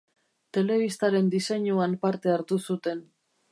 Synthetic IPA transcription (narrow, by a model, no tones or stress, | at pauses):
t̪e̞le̞β̞ist̪aɾe̞nd̪ise̞ɲuampaɾt̪e̞aɾt̪usut̪e̞n